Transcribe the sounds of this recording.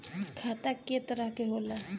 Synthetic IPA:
kʰaːt̪aket̪əɾəɦkeɦoːla

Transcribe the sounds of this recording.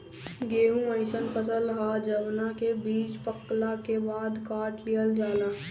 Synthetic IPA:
ɡeːɦũə̃ɪʃənpʰəs̬əlɦad͡ʒəbnakebiːd͡ʒpəklakebaːd̪kaːɾʈlijəld͡ʒaːlaː

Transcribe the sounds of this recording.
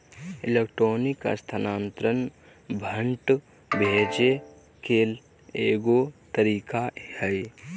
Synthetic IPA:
ɪlekʈɾoːnɪka̰st̪ʰanãːnt̪ɾən | bʱə̃ɳʈ | bʱeːd͡ʒe | keːl | eːɡot̪əɾiːkahɛj

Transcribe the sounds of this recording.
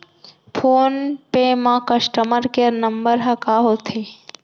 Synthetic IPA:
pʰoːnpemãkəsʈəməɾkeəɾnəmbəɾɦɐkaɦot̪ʰe

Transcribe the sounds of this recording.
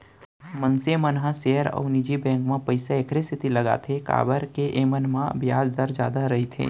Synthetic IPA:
mənsemənɦãseːəɾɔ̰ːnɪd͡ʒibɛ̃ːŋkmãpəɪsaeːkʰɾest̪ɪt̪ilɐɡa̰t̪ʰeka̰ːbəɾkeʔeːmənmãbjaːd͡ʒd̪əɾd͡ʒjaːd̪aɾɐɦit̪ʰḛː

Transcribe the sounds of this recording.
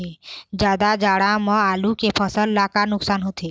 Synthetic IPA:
ed͡ʒjaːd̪ad͡ʒaːɽamə̃alukepʰəsəlːakanʊksaːnɦot̪ʰe

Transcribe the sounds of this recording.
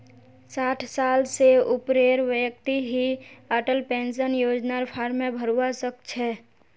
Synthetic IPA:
saʈʰsalseupɾeɾʋjək̚t̪iɦiəʈəlpẽnsənjod͡ʒnaɾpʰaɾmebʱəɾuasəkt͡ʃʰɛ

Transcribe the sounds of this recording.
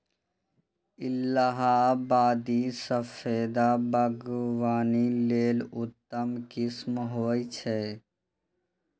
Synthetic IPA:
ɪlːaɦabaːd̪isəfʰeːd̪abəɡwaːnileːlʊt̪ːəmkɪsmɦoːit͡ʃʰɛː

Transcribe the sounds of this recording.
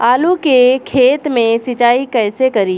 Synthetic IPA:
aːlukekʰeːt̪mẽsɪt͡ʃaːikɛːsekɐɾiː

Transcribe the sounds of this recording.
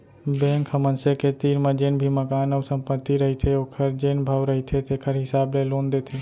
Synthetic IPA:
bẽːŋkʰəmənseket̪iːnmãd͡ʒeːnbʱiməkaːnəːsə̃mpət̪ːiɾəɦit̪ʰeoːkʰəɾd͡ʒeːnbʱaːʋɾəɦit̪ʰet̪eːkʰəɾɦɪsaːbleloːnd̪eːt̪ʰeː

